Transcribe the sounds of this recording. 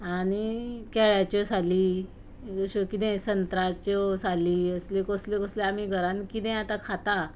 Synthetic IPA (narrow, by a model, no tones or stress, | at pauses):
añikɛɭjat͡ɕɔsali | ɕokit̪ɛ̃sənt̪ɾat͡ɕɔsaliːəslekoslekɔsleam̤iɡʱəɾãnkit̪ɛ̃at̪akʰat̪a